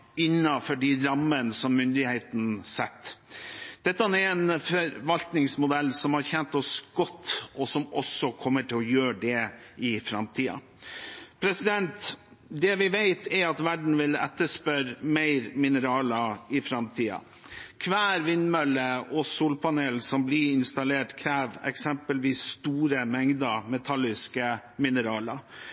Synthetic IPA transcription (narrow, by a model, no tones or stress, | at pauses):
ɪnːɑfɔɖiɾɑmːənsɔmːʏnd̪ɪheɪt̪n̩sɛt̪ːd̪̥ɛt̪ːəɑnɛɛnfœɾʋɑlt̪nɪŋsmʊd̪ɛlːsɔmhɑɾçɛnt̪ɔsɡ̥ɔt̪ːɔsɔmɔsːɔkʰɔmːəʈʰɪlɔjøːɖɛ | ɪfɾɑmt̪ʰiːɑ̰ | pʰɾɛsɪd̪ɛnt̪ | d̪ɛʋɪʋæɪt̪ʰɛɾɑt̪ʋæɖɳ̩ʋɪlɛ̰t̪ːəʂpœɾmæɪɾmɪnəɾɑːlɑɪfɾɑmt̪ʰiːɑ̰ | kʰʋæːɾʋɪnmœləɔsuːlpɑneːlsɔmblɪɾɪnst̪ɑleːʈkʰɾæːʋɛ̰ksɛmpəlʋiːsːt̪uːɾəmɛŋd̪əmɛt̪ʰɑlːɪskəmɪnəɾɑːlə